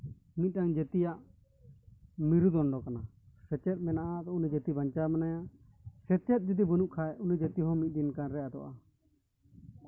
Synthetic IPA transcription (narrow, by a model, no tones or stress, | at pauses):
mit̪̚ˀɗaŋd͡ʒɛt̪ijaʔ | miɾud̪ɔnɖɔkana | sɛt͡ʃɛt̪̚mɛnaʔad̪ɔunid͡ʒɛt̪ibaɲt͡ʃamanaja | sɛt͡ʃɛt̪̚ˀd͡ʒut̪̬ibunuʔkʰajunid͡ʒɛt̪iɦɔmit̪̚ˀd̪inkanɾɛjad̪ɔ̰ʔa